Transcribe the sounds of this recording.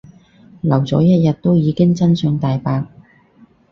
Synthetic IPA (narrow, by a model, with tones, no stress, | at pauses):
lɐ˨˩wt͡sɔ̰ː˨˥jɐ˥t̚jɐ˨t̚t̪o˥wjiː˨˧kɪ˥ŋt͡sɐ˥nsœ˨˧ŋt̪aː˨jpaː˧k̚